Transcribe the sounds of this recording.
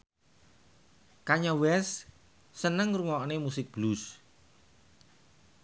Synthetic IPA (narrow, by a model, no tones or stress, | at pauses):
kaɲawɛsː | ənəŋruŋɔʔnemusɪk̚b̥lus